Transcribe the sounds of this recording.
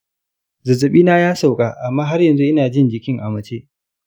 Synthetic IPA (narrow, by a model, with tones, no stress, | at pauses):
zɐ˨zɐ˨ɓiː˦naː˦jaː˦sa˨wkʼaː˨ʔa˨mːaː˦ɦa˦rjɐ˨nzu˦ʔɪ˦naː˨d͡ʒɪ˦nd͡ʒɪ˨kʲɪ˦ŋʔa˨mɐ˨t͡ʃeː˦